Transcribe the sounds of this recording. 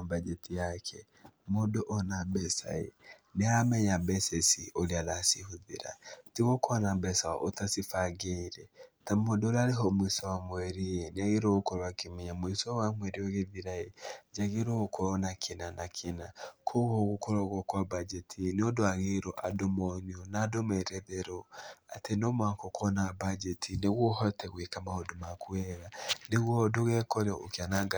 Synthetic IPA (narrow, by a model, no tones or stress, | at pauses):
bad͡ʒɛtʰijakʰɛ | modoʔɔnambɛsa̰ḛneamɛɲabɛsɛsiolealasihuðḛɾa̰tiɣokɔːnambɛsaɔ̰ʔotasifaɡeɾɛtamodoɾaɾeɦɔmwisɔwamwɛɾejeneaɣeɾoɣokɔɾɔakemiɲamwisɔwamwɛɾioɣeðiɾaed͡ʒaɣeɾoɣokʰɔɾɔnakʰinanakʰinakʰoɣɔɣukɔɾɔɣɔkwabad͡ʒɛtʰinodoaɣeɾɔʔa̰domɔniɔnadomɛɾɛðeɾoa̰tenomwakokɔnabad͡ʒɛtʰineɣwɔhɔtʰɛɣwekamahodomakwɛɾaneɣwɔdoɣɛkɔɾokjanaɡa